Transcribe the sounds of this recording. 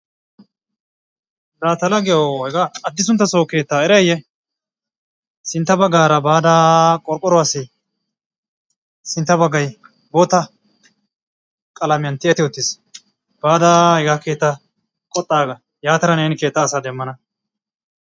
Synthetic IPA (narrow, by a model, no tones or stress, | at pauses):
d̪aːt̪ɐlɐɡɛjohɛɡaːd̪ːɪs̬ʊnt̪ːɐsoːke̞ːt̪ːaːɛɾɛjɛ | sɪnt̪ːɐbɐɡaːɾɐbaːd̪aːkʼɔɾkʼɔɾʊwaːsɪ | sɪnt̪ːɐbɐɡɐj | bot̪ɐ | kʼɐlɐmɪɐnt̪ɪɛt̪ːɪɔt̪ːɪs | b̥aːd̪ahɛɡakeːt̪ːa | kʼɔt̪ʼːaːɡɐ | jaːt̪ɐɾɐneːnɪke̞ːt̪ːaːsaːd̪ɛmːɐnɐ